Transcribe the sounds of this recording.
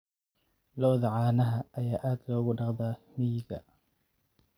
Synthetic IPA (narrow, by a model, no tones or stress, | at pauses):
lɔːðɐʕaːnɐɦɐʔːjaːʔaːd̪kʰɐʊɣʊɖɑqd̪aːmijɡɐ̰